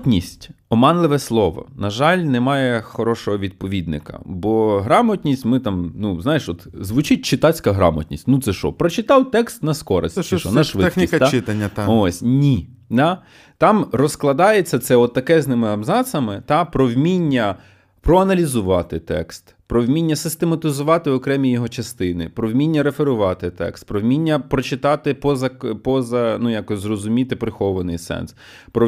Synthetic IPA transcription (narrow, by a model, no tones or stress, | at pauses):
tʲnʲisʲtʲɔmɑnlˠɪʋɛslˠɔʋɔ̰nɐʒɑlʲnɛmɑjɛxɔɾɔʃɔɦɔʋʲid̪̚pɔʋʲid̪nɪ̰kɐ̰bɔɦɾɑmɔtʲnʲisʲtʲmɪt̪ɑmnuznɑjeʃɔt̪zʋʊt͡ʃɪt̚ʲt͡ʃɪt̪ɑt͡sʲkɐɦɾɑ̰mɐ̰tʲnʲisʲtʲnut̪sɛʃɔ̰pɾɔt͡ʃɪt̪ɑwt̪ɛkst̪nɐskɔɾɐ̰sʲt̪t͡ʃɛʃɔnɛʃʋɪnʲist̪aɪt̪ɐnʲːɐt̪ɔsʲnʲid̪ɑ | t̪ɑmrɔsklˠɐd̪ɑjet͡sʲːɐt̪sɛɔt̪ːɐkɛznɪmɪɐbzɑsɐmɪt̪ɑpɾɔwmʲinʲːɐ | pɾɔɐnɐlʲizʊʋɑt̪ɪt̪ɛ̰kst̪pɾɔwmʲinʲːɐsɪst̪emɐt̪ɪzʊʋɑt̪ɪɔkɾɛmʲijɔɦɔt͡ʃɐst̪ɪnɪ̰pɾɔwmʲinʲːɐɾefeɾʊʋɑt̪ɪt̪ɛ̰kst̪̚pɾɔwmʲinʲːɐpɾɔt͡ʃɪt̪ɑt̪ɪpɔzɐpɔzɐnujɑkɔsʲzrɔzʊmʲit̪ɪpɾɪxɔʋɐnɪjsɛ̰ns | pɾɔ